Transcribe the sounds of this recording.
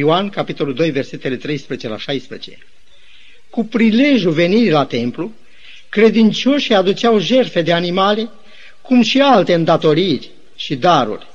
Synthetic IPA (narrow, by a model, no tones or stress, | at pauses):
oankapit̪o̞luld̪o̞jve̞rse̞t̪e̞le̞t̪ɾe̞jspezit͡ʃe̞la̰ʃajspɾet͡ʃe̞̰ | kupɾile̞ʒjuve̞niɾilat̪e̞mplu | kɾe̞d̪int͡ʃo̞ʃiad̪ut͡ʃawʒe̞rfe̞d̪e̞animale̞ | kumʃialt̪eɨnd̪at̪o̞ɾirʲ | ʃid̪aɾṵrʲ